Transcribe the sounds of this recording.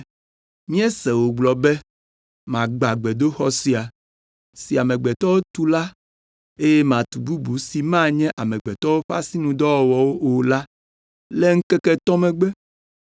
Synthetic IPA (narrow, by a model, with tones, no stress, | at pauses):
mĩ˦ɛ˦sɛ˨wo˨ɡ͡blɔ˨bɛ˦ | mã˨ɡ͡ba˨ɡ͡bɛ˨d̪o˦xɔ˦si˦a˨ | si˨a˨mɛ̃˨ɡ͡bɛ˨t̪ɔ˦wo˦t̪u˦la˦ | e˦jɛ˦mã˨t̪u˨bu˦bu˨˦si˨mã˦ɲɛ̃˦ʔa˨mɛ̃˨ɡ͡bɛ˨t̪ɔ˦wo˦ɸa̰˦si˦nũ˨d̪ɔ˦ɔ˨wɔ˨wo˦o˨la˦ | lɛ˦ŋ̩˦kɛ˦kɛ˦t̪ɔ˦mɛ̃˨ɡ͡bɛ˦